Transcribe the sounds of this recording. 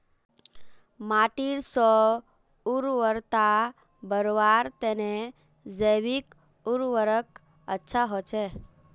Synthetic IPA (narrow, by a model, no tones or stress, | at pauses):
maʈiɾsɔ | uɾʋəɾt̪a | bəɾʋaɾt̪ene | d͡ʒəjʋik | uɾʋəɾək | ə̰tːʃʰaɦot͡ʃʰe